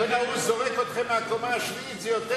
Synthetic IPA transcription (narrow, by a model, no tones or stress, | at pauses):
ɛnauzɔʁɛkʰɔt̪χɛmakʰʼɔmaʃviːt͡sʼijɔt̪ʼɛ